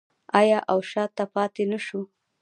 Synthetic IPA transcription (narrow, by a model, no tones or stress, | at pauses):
ɑjɑʔawʃɑt̪ːapɑt̪enaʃu